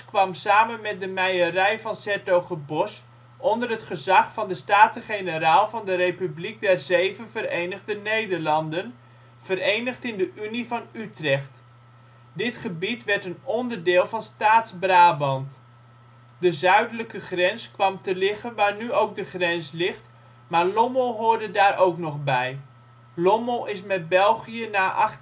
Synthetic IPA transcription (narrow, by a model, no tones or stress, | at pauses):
kʋɑmsaːmənmɛt̚dəmɛjərɛjvɑnsɛɹtowχəbɔs | ʔɔndərɦətχəzɑχfɑndəstaːtəχenəraːlˠvɑndərejpyblik̚dɛrzejvənvərejnəχdənejdəɹlɑndən | v̥əɾejnəχtɪndəʔynivɑnytrɛχt | dɪtχəbitʋɛɹtənɔndərdɪːlˠvɑnstaːtzbraːbɑnt | dəzœɥdələkəχrɛnskʋɑmtəlɪχənʋaːɹnyowk̚dəχrɛnslɪχt | maːɹlɔmolˠɦʊːɹdədaːɹʔowknɔχbɛj | lɔmɔlˠɪsmɛt̚bɛlˠχijənaːʔɑχ